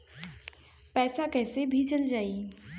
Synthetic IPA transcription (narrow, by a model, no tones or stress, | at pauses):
pɛːsakɛːsebʱit͡ʃəld͡ʒaːi